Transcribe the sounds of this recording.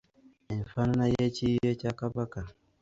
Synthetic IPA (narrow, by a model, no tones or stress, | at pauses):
infannajet͡ʃijet͡ʃakabaka